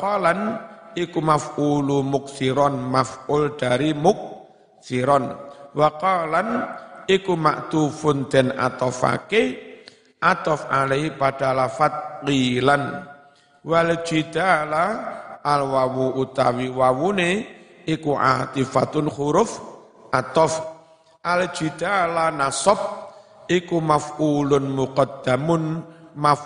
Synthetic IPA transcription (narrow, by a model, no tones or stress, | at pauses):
qɔlanikumafʔulumʊk̚siɾɔnmafʔʊlɖ̪̥aɾimʊk̚ | siɾɔnwaqɔlanikuma̰ʔt̪ufʊnd̪̥ɛ̤na̰t̪ɔfa̰ke | ʔat̪ɔfʔaleɦipaɖ̥alafat̪̚kilan | wald̥ʒ̥id̪̥alaː | lwawuut̪a̰wiwawune | ikuʔa̰t̪ifat̪ʊnχuɾʊf | ʔat̪ɔf | ʔald̥ʒ̥i̤d̪̥alanasɔp̚ | ikumafulʊnmuqɔd̪̥a̤mʊnmaf